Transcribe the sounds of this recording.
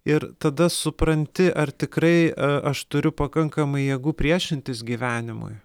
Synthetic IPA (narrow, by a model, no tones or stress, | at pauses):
ɪɾt̪ɐd̪ɐsʊpɾɐnʲt̪ʲɪʔɐrt̪ʲɪkɾɐɪɐɐʃt̪ʊɾʲʊpɐkɐŋkɐmɐɪjɛɡuːpʲɾʲiɛʃʲɪnʲt̪ʲɪsɡʲiːʋʲæːnʲɪmʊ̰j